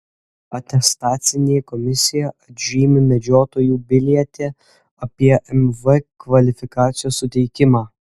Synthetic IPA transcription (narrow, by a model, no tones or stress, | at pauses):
ɐt̪ʲɛst̪ɑːt̪sʲɪnʲeːjɛkɔmʲɪsʲɪjɛɐd̪ʲʒʲiːmʲɪmʲɛd͡ʒʲoːt̪oːjuːbʲɪlʲiɛt̪ʲeː | ɐpʲiɛʔɛmʋɨkʋɐlʲɪfʲɪkɑːt̪sʲɪjoːsːʊt̪ʲɛɪkʲɪmɑː